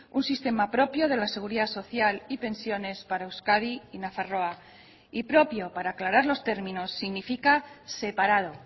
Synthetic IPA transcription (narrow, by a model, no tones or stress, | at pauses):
unsist̪e̞mapɾo̞pjo̞ð̞e̞lase̞ɣ̞uɾiðaso̞θjalipe̞nsjo̞ne̞spaɾaewskaðiinafaro̞a | ipɾo̞pjo̞paɾaːklaɾaɾlo̞st̪e̞ɾmĩno̞sːiɣnifikase̞paɾað̞o̞